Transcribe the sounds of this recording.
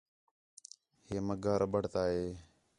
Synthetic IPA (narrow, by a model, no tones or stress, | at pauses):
heːməɡaːɾəɓəɽ̤t̪aːɦeː